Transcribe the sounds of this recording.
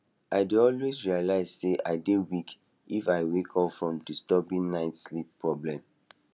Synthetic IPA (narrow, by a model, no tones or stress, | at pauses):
aɪdeɔlwezɹialaɪzseʔa̰ɪdewik | ifaɪwekʰɔfɹɔ̃mdistɔbĩnnaɪtslipʰːɹɔblɛ̃m